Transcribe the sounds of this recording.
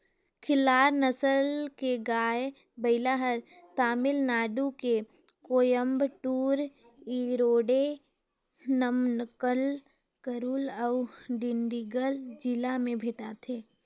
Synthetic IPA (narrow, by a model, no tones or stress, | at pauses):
kʰɪlːaːɾnəsəlkeɡaːj | bəɪlaɦəɾ | t̪aːmɪlnaːɖuke | koːjəmbʈuːɾ | iɾoːɖe | nəmnkəl | kəɾuːləʊɖɪɳɖiɡəld͡ʒɪlamẽbʱeʈat̪ʰeː